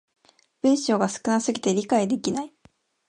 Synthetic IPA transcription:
b̥ɯ̟̃ɰ̃ɕo̞ːɡasɨ̥kɯ̟nasɨɡʲit̪e̞ɾʲikaid̪e̞kʲinai

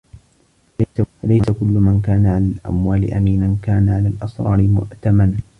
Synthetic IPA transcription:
alajsakʊlːʊmankaːnaʕalalʔa̰mwaːlɪ̰ʔamiːnankaːnaʕalaːlʔɑsɾˤɑ̰ːɾɪmʊ̰ʔt̪aman

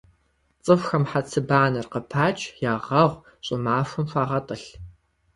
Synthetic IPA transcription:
t͡sʼɨfxɐmħat͡sʰɨbaːnɐrqəpʰaːt͡ʃʼjaːʁɐʁʷ | ɕʼɪmaːfʷʊmɕʷaːʁɐtʼɨɬ

